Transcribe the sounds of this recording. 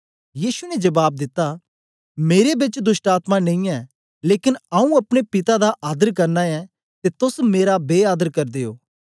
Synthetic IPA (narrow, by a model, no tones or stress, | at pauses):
jiːʃunɛd͡ʒɐbaːb̚d̪ɪt̪ːa | meːɾebɪt͡ʃd̪ʊsʈaːt̪manɐ̃ĩɛ | leːkɪnaːũɐpɽ̃epɪt̪ad̪aʔaːd̪əɾkɐɾnaɛ | t̪et̪ʊsmeːɾabeːaːd̪əɾkɐɾd̪eːo̰ː